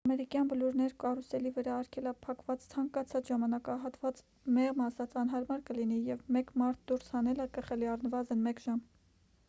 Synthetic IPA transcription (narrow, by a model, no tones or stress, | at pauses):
ɑmɛɾikjɑnbəluɾnɛɾkɑrusɛlivəɾɑːɾkʰɛlɑpʰɑkvɑt͡st͡sʰɑŋkɑt͡sʰɑt͡sʒɑmɑnɑkɑɦɑt̪vɑt͡s | mɛʁmɑsɑt͡sɑn̪ɦɑɾmɑɾkəlin̪ijɛvmɛkmɑɾt̪̚ʰd̪uɾshɑnɛləkəχɛliɑrnəvɑzənmɛkʒ̥ɑm